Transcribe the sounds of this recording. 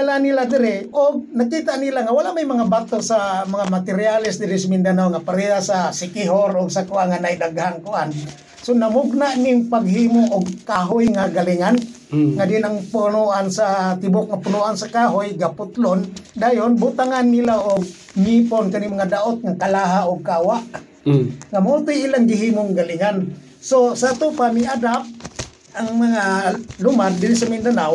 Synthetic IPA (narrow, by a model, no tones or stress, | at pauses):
alanilad̪ɪɾɪʊɡ̚nakit̪aʔnilaŋawalaʔmajmaŋabat̪osamaŋamat̪ɪɾjalɪsd̪ɪɾɪsamiɪnd̪anawŋapaɾeɦasasɪkɪɦoɾʊɡsakuaŋanaid̪aɡɦaŋkʊʔan | sonamʊɡ̚naʔnɪŋpaɡɦimʊʔʊɡkaɦʊjŋaɡaliŋan | ŋad̪ɪnaŋpunuʔansat̪ɪbʊk̚ŋapʊnuʔansakaɦojɡapʊt̪lond̪ajonbʊt̪aŋanːilaʔʊɡ̚ | miponkanimaŋadaʔʊt̪̚ŋakalaɦaʊɡ̚kawaʔ | ŋamaut̪ʊjilaŋɡɪɦimʊŋɡaliŋan | sosat̪ʊpamiadap̚ | aŋmaŋalʊmard̪ɪɾisamind̪anaw